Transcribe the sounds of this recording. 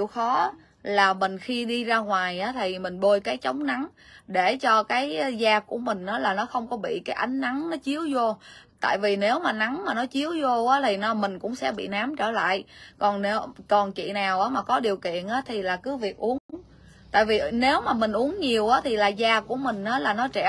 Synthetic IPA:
i˧˨əwxɔ˨˦ | laː˨˩mï˨˩ŋ̟xi˧ɗi˧zaː˧ŋwaː˨˩jʔaː˨˦t̪ʰi˨˩mï˨˩ŋ̟ɓo˧jkaː˨˦jt͡ɕə˨˦wŋ͡mna˨˦n | ɗe˧˩t͡ɕɔ˧kaː˨˦jzaː˧ku˧˩əmï˨˩ŋ̟ʔaː˨˦laː˨˩nɔ˨˦xə˧wŋ͡mkɔ˨˦ɓḭ˧˨kaː˨˦jʔa˨˦jŋ̟na˨˦nnɔ˨˦t͡ɕi˨˦əwzo˧t̪a̰ː˧˨jvi˨˩ne˨˦wmaː˨˩na˨˦nmaː˨˩nɔ˨˦t͡ɕi˨˦əwzo˧ʔaː˨˦t̪ʰi˨˩nɔ˨˦mï˨˩ŋ̟kʊ̰˧˥ŋ͡msɛ̰˧˥ɓḭ˧˨naː˨˦mt͡ɕəː˧˩la̰ː˧˨jkɔ˨˩nne˨˦wkɔ˨˩nt͡ɕḭ˧˨naː˨˩wʔaː˨˦maː˨˩kɔ˨˦ɗi˨˩əwkḭ˧˨ənʔaː˨˦t̪ʰi˨˩laː˨˩kɨ˨˦vi˨˩ək̚ʔu˨˦ən | t̪a̰ː˧˨jvi˨˩ne˨˦wmaː˨˩mï˨˩ŋ̟ʔu˨˦əŋɲi˨˩əwʔaː˨˦t̪ʰi˨˩laː˨˩zaː˧ku˧˩əmï˨˩ŋ̟ʔaː˨˦laː˨˩nɔ˨˦t͡ɕɛ̰˧˩

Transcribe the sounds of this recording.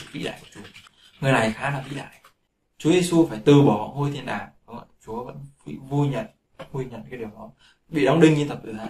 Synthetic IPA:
vḭ˧˥ɗa̰ː˧˨jku˧˩t͡ɕu˨˦ | ŋɨ˨˩əjna˨˩jxaː˨˦laː˨˩vḭ˧˨ɗa̰ː˧˨j | t͡ɕu˨˦əzi˧su˧faː˧˩jt̪ɨ˨˩ɓɔ˨˧˩hɔ̰˧˩ho˧jt̪ʰi˧ənɗaː˨˩nə˨˧˩ŋa̰˧˨˩t͡ɕu˨˦və̰˧˥nkḭ˧˥vu˧jɲə̰˧˨n | vu˧jɲə̰˧˨nkaː˨˦ɗi˨˩əwɗɔ˨˦ | ɓḭ˧˨ɗɔ˨˦wŋ͡mɗï˧ŋ̟ɲɨ˧t̪ə˨˩p̚ʔɨ˨˧˩a˨˧˦

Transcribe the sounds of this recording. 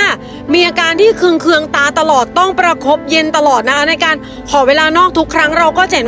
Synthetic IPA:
miː˧ʔaː˧kaː˧nt̪ʰiː˥˩kʰɯ˧ŋkʰɯ˧əŋt̪aː˧˥t̪a˧lɔː˨˩t̪ːɔ˥˩ŋpɾa˧kʰo˦˥p̚je˧nt̪a˧lɔː˨˩t̪̚na˦˥kʰa˦˥na˧jkaː˧n | kʰɔː˨˩˦weː˧laː˧nɔː˥˩k̚t̪ʰu˦˥kʰːɾa˦˥ŋɾa˧wkɔː˥˩t͡ɕa˨˩n

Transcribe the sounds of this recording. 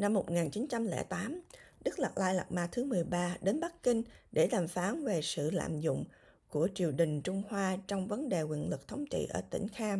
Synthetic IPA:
na˧mːo˨˩t̚ŋaː˨˩nt͡ɕi˨˦nt͡ɕa˧mlɛ̰ː˧˩t̪aː˨˦mɗɨ˦˥k̚la˨˩laː˧jla˨˩k̚maː˧t̪ʰɨ˨˦mɨ˨˩əjɓaː˧ɗe˨˦nɓa˦˥k̚kï˧ŋ̟ɗe˧˩laː˨˩mfaː˨˦nve˨˩sɨ̰˧˨la̰ː˧˨mzʊ̰˧˨ŋ͡m | ku˧˩ət͡ɕi˨˩əwɗï˨˩ŋ̟t͡ɕʊ˧ŋ͡mhwaː˧t͡ɕɔ˧wŋ͡mvə˨˦nɗe˨˩ŋwḭ˧˨ənlɨ˨˩k̚t̪ʰə˨˦wŋ͡mt͡ɕḭ˧˨ʔəː˧˩t̪ï˧˩ŋ̟xaː˧m

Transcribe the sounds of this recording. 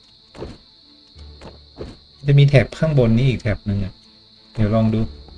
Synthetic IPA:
maa˥˩t͡ɕa˨˩miː˧t̪ʰɛː˨˩p̚kʰaː˥˩ŋbo˧nːiː˦˥ʔiː˨˩t̪ʰɛː˨˩p̚nɯ˧ŋʔa˨˩ | diː˨˩˦wlɔː˧˩ŋduː˧˩

